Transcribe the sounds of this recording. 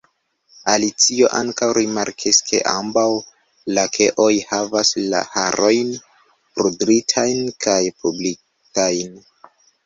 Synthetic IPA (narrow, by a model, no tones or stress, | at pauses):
alit͡sio̞ʔaŋkawɾimaɾkʰiskʰe̞̰ʔambaw | lakʰe̞ʔo̞jhavasla̰haɾo̞jn | pɾudɾitʰajnkajpʰubli | kajn